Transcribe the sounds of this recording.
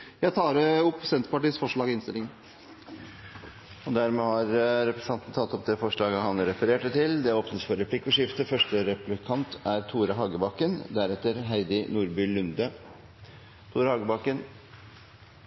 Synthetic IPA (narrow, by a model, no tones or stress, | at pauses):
jæt̪ʰɑːɾəʊpːsɛnt̪ɾəpɑʈiːsfɔʂɭɑːɡɪnst̪ɪ̰lːɪŋ | ɔd̪æɾmeːhɑɾɾɛpɾɛsɑnt̪ən̩t̪ʰɑt̪ːɔpd̪ɛfɔʂɭɑːɡəhɑnɾɛfəɾeːʈət̪ʰɪld̪ɛoːpnət̪sfɔɾɛpʰlɪkːʊʂɪft̪əfœʂʈəɾɛplɪkʰɑnt̪ʰæɾt̪ʰuːɾəɦɑːɡəbɑkənd̪æɾɛt̪ːəɾɦæɪd̪ɪnuːɾbʏlʉnd̪ə | t̪ʰuːɾəhɑːɡəbɑkən